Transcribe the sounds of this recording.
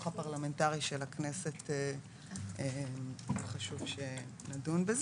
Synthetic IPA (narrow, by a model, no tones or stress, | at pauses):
χapaʁlame̞ntaʁiʃelaknesete | emχaʃuvʃenadunbez